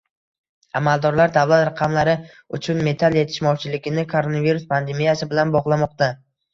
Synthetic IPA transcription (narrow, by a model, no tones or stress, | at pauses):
amalˠd̪ɒɾlaɾd̪avlat̪ɾaqʰɑmlaɾɪ | ʊt͡ʃʰʊnme̞t̪ʰalje̞t̪ʰɪ̥ʃmɒwt͡ʃʰɪlɪɡʲɪnɪkʰoɾo̞naviɾʊspʰand̪e̞mijasɪbɪlanbɒʁlˠamɒq̚t̪a